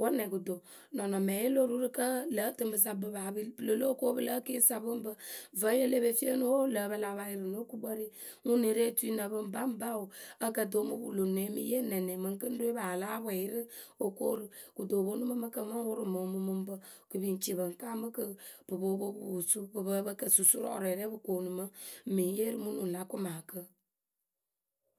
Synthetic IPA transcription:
wa˦nɛ˨ɡu˨do˨ | nɔ˨nɔ˨mɛ˨je˦lo˦ɾu˦ɾɨ˦kə˦lə˨˦tɨ˦m˦bə˨s̬a˨bɨ˨ba˨bblə˨lo˦ko˦bə˦lə˦ke˦sa˨bɨ˦m˦bə˦və˨˦je˦le˦be˦fi˦ə˦nu˦wo˦lə˨˦bə˦la˨βa˨˦ji˦ɾɨ˨no˦ku˦bə˦ɾi˦ | ŋu˦ne˨˦ɾe˦tu˦i˦nə˨bɨ˦m˨ba˦m˦ba˦u˨ə˦kə˦˨do˨˦mu˦bṵ˨lo˨ne˨˦mḭ˦je˦nɛ˨nɛ˨mɨ˨ŋ˦kə˦n˦do˦e˦ba˨la˦bɛ˨ji˦ɾɨ˦o˨ko̰˦ɾɨ˨ | ku˨do˨bo˦nu˦mə˦mə˦kə˦mə˦ŋ˦wʊ˦ɾɨ˦mo˨˦mu˦mɨ˦m˦bə˦ | kɨ˨bi˨n˨t͡ʃi˨bə˨ŋ˨ka˦mə˦kə˦b̥ɨ˨bo˨˦bo˦bu˦˨wu˨su˦bɨ˨bə˦bə˦kə˨su˨su˦ɾɔ̰˦˨ɾɛ˨ɾɛ˦bɨ˨ko˨nu˨mə˦mi˨je˦ɾɨ˦mu˦nu˨la˦ku˦maː˨kə˦

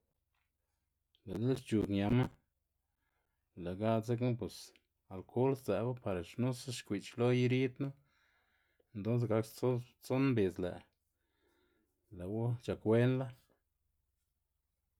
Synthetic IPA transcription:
la˨d̪e˦st͡ʃu˨kɲa˧ma˦ | la˨ɡa˦ze˦knu˦p̬we˨s | a˨lkʰo˦lszɛ˨ba˦pa˨ɾa˨ʃnu˦sa˦ʃkʷi˨t͡ʃlo˦ji˦ɾi˦t̪nu˦ | e˨nt̪o˦ns̬ɡa˧kt͡so˦t͡so˦nmbe˨zlæ̰˨ | la˨wo˦t͡ʃa˨kwe˦nla˦

